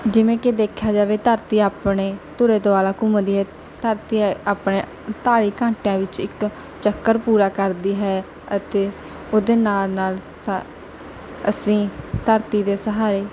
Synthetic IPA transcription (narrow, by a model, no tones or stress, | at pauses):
d͡ʒɪʋẽːked̪eːkʰjaːd͡ʒaːʋeːt̪əɾt̪iːaːpɳeːt̪ʊɾeːt̪oːaːlaːkʊməd̪iːɦɛː | t̪əɾt̪iːaːpɳeː | t̪aːɾiːkãːɳʈjãːʋɪt͡ʃɪk | t͡ʃəkːəɾpuːɾaːkəɾd̪iːɦɛː | ət̪eː | oːd̪eːnaːlnaːl | s | əsĩːt̪əɾt̪iːd̪eːsəɦaːɾeː